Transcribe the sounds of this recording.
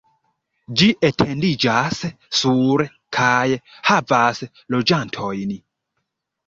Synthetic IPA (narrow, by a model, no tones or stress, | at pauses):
d͡ʒiʔetʰendid͡ʒasː | uɾ | kʰajhavas | lo̞d͡ʒantʰojn